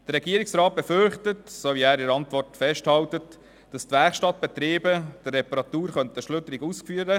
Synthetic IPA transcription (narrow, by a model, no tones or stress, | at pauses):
d̥ərɾːɛɡiːəɾiksɾɑːt̚b̥ɛfʏɾχtətsoːʋiæːɾɪɾɑntvɔrtfɛʃthɑltət | d̥ɑstvɛɾχʃtɑt̚b̥ɛt̪ɾiːbəd̥ərːɛpɑɾɑt̪uːɾχœnt̪əʃlʏtəɾiɡuskfyːəɾə